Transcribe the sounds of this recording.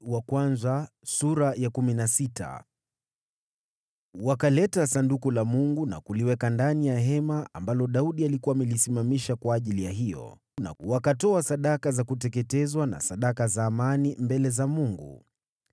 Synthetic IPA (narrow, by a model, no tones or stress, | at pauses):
wakwanza | suɾajakuminasita̰ | wakalɛtasandukulamuŋɡuna̰kuliwɛkandanijaɦɛmaambalɔɗauɗialikuamɛlisimamiʃakwaːʄilijaɦijɔ̰ | na̰wakatɔasaɗakazakut̬ɛkɛtɛzwana̰saɗakazaːmanimbɛlɛzamuŋɡṵ